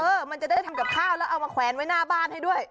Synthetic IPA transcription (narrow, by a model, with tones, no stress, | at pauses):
ʔɤː˧ma˧nt͡ɕa˨˩daː˥˩jt̪ʰa˧mka˨˩p̚kʰaː˥˩wlɛː˦˥wʔa˧wmaː˧kʰwɛː˨˦˥nwa˦˥jnaː˥˩baː˥˩nha˥˩jdu˥˩əj